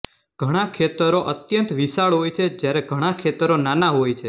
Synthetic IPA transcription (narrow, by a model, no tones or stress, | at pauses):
ɡ̥ʱəɽ̃akʰet̪əɾoʔət̪jənt̪ʋisaɭɦojt͡ʃʰed͡ʒjaɾeɡʱəɽ̃akʰet̪əɾonanaɦojt͡ʃʰe